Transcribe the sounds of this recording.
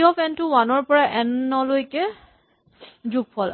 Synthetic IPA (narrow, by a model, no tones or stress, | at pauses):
ɔpɛntuwanɔɹpɔɹaʔɛnːɔlojkɛ | zuɡ̚pʰɔl